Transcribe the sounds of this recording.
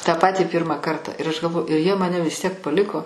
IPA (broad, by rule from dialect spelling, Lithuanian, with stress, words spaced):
tɑː ˈpɑːtʲiː ˈpʲiːrmɐ ˈkɐrtɐ ɪr ɐʃ ɡɐlˠˈʋoːjʊ ɪr jiɛ ˈmɑːnʲɛ ʋʲɪs tʲiɛk pɐˈlʲɪkoː